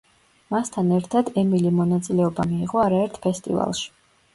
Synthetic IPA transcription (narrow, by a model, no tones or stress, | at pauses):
mast̪ʰanɛɾt̪ʰad̪ɛmilimɔnat̪sʼilɛɔbamiːʁʼɔaɾaɛɾt̪ʰpʰɛst̪ʼḭva̰lˠʃi̥